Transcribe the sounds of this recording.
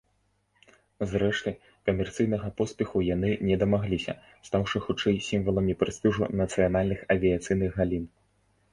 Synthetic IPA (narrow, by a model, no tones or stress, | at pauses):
zɾɛʂt̪ɨ | kɐmʲɛrt̪sɨjnɐɣɐpɔspʲɛxujanɨnʲɛd̪ɐmaɣlʲisʲɐ̰ | st̪awʂɨxut͡ʂɛjsʲimvɐlˠɐmʲipɾɨst̪ʲuʐṵnɐt̪sɨjan̪alʲnɨxɐvʲiɐt̪sɨjnɨɣɣalʲin